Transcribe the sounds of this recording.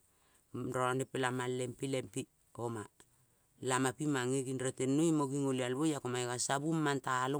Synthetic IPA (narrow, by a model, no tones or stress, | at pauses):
ɾoanepelamalempilempi | oma | lamapimaŋeɡinɾotenːojmoɡiŋolialβojakomaeɡasabumːantaːlo